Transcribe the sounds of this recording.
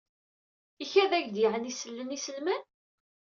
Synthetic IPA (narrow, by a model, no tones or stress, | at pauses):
içæðæʝd̪iʕənisəlːənisəlmən